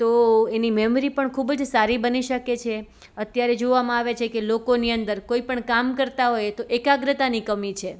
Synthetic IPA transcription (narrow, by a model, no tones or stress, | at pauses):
t̪oenimɛmɾipəɳkʰubəd͡ʒsaɾibəniʃəket͡ʃʰe | ət̪jaɾed͡ʒoʋamãaʋet͡ʃʰekelokoniənd̪əɾkoipəɳkamkəɾt̪aɦojet̪oʔekaɡɾət̪anikəmit͡ʃʰe